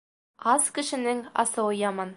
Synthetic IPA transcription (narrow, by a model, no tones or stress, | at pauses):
ɑzkɘ̆ʃɘ̆nɘŋɑ̰sɤɤjɑmɑn